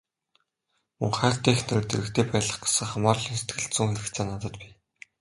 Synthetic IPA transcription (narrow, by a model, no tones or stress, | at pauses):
mɵ̰ŋχæːr̥t̪iːxneɾɘ̆ːt̪eɾɘ̆kt̪ʰeːpæːɮə̆χɡḁsɘ̆ŋχamaːrɮĭːnse̥t̪ɡɘ̆ɬt̪sŭŋxeɾɘ̆kt͡seːnat̪ə̆t̪piː